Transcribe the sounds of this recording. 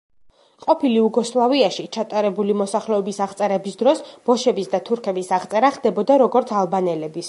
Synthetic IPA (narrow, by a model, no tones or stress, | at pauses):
qʼɔpʰiliuɡɔslˠaviaʃit͡ʃʰat̪ʼaɾɛbulimɔsaχlɛɔbisaʁt̪sʼɛɾɛbisd̪ɾɔsb̥ɔʃɛbisd̪at̪ʰuɾkʰɛbisaʁt̪sʼɛɾaχd̪ɛbɔd̪aɾɔɡɔɾt̪sʰalˠbanɛlɛbis